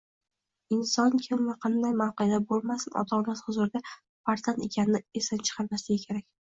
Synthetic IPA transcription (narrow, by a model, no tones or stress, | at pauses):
ɪnsɒnkʲʰɪmvaqʰɑnd̪ajmawqɨjd̪abolˠmasɪnɒ̰t̪ʰɒnaz̥hʊzʊɾd̪a | faɾzane̞kʲʰanɪnɪesant͡ʃʰɨ̥qʰɑɾmaslɪɡʲɪkʲʰe̞ɾakʲ